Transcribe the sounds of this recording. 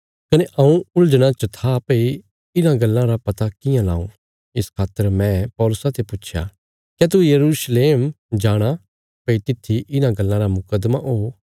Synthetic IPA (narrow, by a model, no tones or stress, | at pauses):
kɐneʔɐũʊld͡ʒɽ̃ãt͡ʃət̪ʰapɐi | ɪnãɡɐlːãɾapɐt̪akɪjãla̰ːṵ̃ | ɪskʰaːt̪ːəɾmɛ̃pɔːlʊsãt̪epʊtːʃʰja̰ | kɛt̪̬ujɐɾuːsleːm | d͡ʒaːɽ̃a | pɐit̪ɪt̪ʰːiʔɪnãɡɐlːãɾamʊkəd̪maʔoː